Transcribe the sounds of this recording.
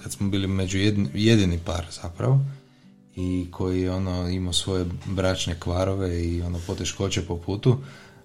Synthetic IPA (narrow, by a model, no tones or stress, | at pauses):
kat̪smobiːlimed͡ʒujed̪je̞d̪inipa̰ɾz̥apɾa̰ʋo | ikʰo̞jiɛo̞noimosʋo̞je̞bɾat͡ʃnekʋaɾoʋe̞io̞nopo̞t̪e̞ʃko̞t͡ɕepo̞puːt̪u